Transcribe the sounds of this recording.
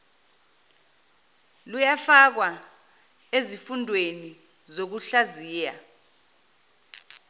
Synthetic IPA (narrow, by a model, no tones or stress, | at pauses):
lujafak̬wa | ezifundʱweni | zok̬uɬaziːja